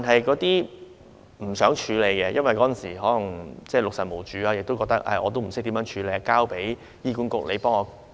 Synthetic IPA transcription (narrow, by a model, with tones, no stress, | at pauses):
ta˨nɦɐ˨jkɔː˨˥t̪iː˥ | m̩˨˩sœː˨˥ŋt͡ʃʰyː˨˧le˨˧jkɛ˧jɐ˥nwɐ˨jkɔː˨˥t͡snsḭː˨˩ɦɔː˨˥lɐ˨˩ŋt͡sɛː˥˩lʊ˨k̚sɐ˨˩mo˨˩wt͡ʃyː˨˥aː˧jɪ˨k̚t̪o˥wkɔ˧k̚t̪ɐ˥k̚ʔɐ̰ː˧ʔɔː˨˧t̪o˥wm̩˨˩sɪ˥t̪iː˨˥mjœː˨˧˥ŋt͡ʃʰyː˨˧le˨˧ja˧kaː˥wpe˨˥j | jiː˥kuː˨˥nkʊ˥k̚le˨˧pɔː˥ŋɔː˨˧